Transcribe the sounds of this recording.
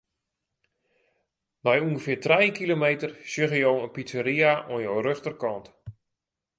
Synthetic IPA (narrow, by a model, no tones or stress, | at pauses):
nɔjuŋɡəfɪːrtrɛjkilomejtərsjøɣəjowənpitəɾiaʔonjowrøxtərkɔnt